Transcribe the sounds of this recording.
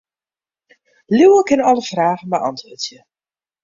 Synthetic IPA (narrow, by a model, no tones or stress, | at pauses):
luwəkɪnɔləfraːɣənbəʔɑ̰ntʋotjə